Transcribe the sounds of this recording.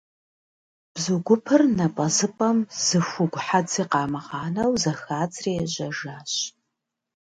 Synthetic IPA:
b̥zuɡʷʊpʰɨrnɐpʼɐzɨpʼɐmz̥ɨxʷʊɡʷħat͡sʰiːqɑːmɐʁɑːnɐwzɐxaːt͡sʰʼreːjɛʑɐʒaːɕ

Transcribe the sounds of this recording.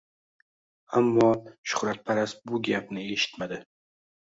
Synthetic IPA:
amːɒʃʊ̥χɾat̪̚pʰaɾasbʊɡʲapnɪe̞ʃɪ̥t̪mad̪ɪ

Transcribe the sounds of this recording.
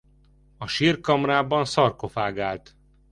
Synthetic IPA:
ɒʃiːrkɒmraːbɒnsɒrko̞faːɡaːlt̪

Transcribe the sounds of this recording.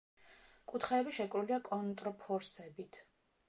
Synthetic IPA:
kʼut̪ʰχɛːbiʃɛkʼɾuliakʼɔnt̪ʼɾɔpʰɔɾsɛbit̪ʰ

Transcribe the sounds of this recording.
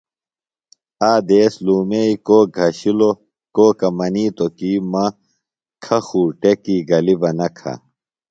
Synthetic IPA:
aːd̪eːsluːmeikoːɡʱɐɕilo | koːkɐmɐniːt̪okiːmɐ | kʰɐxuːʈekiːɡɐlibɐnɐkʰɐ̰

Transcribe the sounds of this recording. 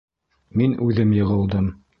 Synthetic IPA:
minʉðɘmjɤ̆ʁɤ̆lˠd̪ɤm

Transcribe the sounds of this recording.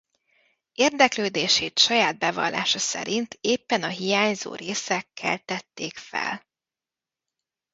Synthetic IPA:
eːrd̪ɛkløːd̪eːʃeːt̪ʃɒjaːd̪̚bɛvɒ̰lːa̰ːʃɒsɛ̰ɾint̪ʰeːpːɛnɒɦijaːɲzo̰ːreːsɛkːɛ̰lt̪ɛt̪ːeːkfɛ̰l

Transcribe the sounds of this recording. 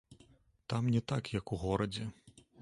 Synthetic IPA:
t̪amnʲɛt̪akjɐkuɣɔɾɐd͡zʲɛ

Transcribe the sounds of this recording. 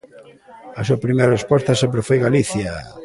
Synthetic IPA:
asuapɾimejɾaespost̪asẽmpɾefojɣaliθja

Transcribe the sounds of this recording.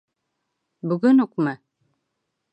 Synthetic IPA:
bɵɡɵnuqmɤ

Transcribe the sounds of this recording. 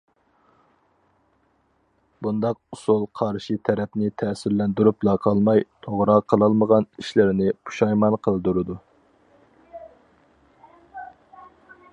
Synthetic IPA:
bund̪ɑqusulˠqʰɑɾʃit̪ʰɛɾɛpnɪt̪ʰɛsɪɾlɛnd̪yɾup̚lˠɑqʰɑlˠmɑjt̪ʰoʁɾɑqʰːəlˠɑlˠməʁɑniʃlɪɾɪnɪpʰu̥ʃɑjmɑnqʰəlˠɨd̪uɾɨd̪u

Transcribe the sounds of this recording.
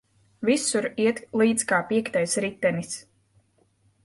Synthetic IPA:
visuɾiɛt̪lˠiːt̪skaːpiɛkt̪ajsɾit̪ːɛnis

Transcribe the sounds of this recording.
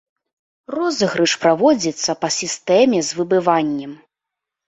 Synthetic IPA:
rɔzɨɣɾɨʂpɾavɔd͡zʲit̪sːɐpɐsʲist̪ɛmʲɛzvɨbɨvanʲːɛm

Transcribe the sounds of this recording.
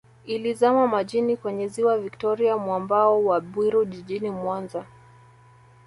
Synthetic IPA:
ilizamamaʄinikwɛɲɛziwaviktɔɾiamwambaɔwaɓwiɾuʄiʄinimwanza

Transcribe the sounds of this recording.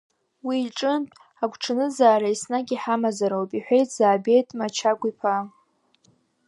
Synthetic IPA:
wiːʈ͡ʂʼɨntʼ | aɡʷʰʈ͡ʂʰɨnɨzaːɾaisnaɡʲiħamazaɾawpʼiħʷᶣejtʼʰz̥aːbe̞jtʼmat͡ʃʰaɡʷʼipʰa

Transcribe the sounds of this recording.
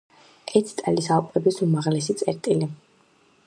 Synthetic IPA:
ɛt̪ʰt̪ʼɛlisalˠpʼɛbisumaʁlɛsit̪sʼɛ̰ɾt̪ʼili

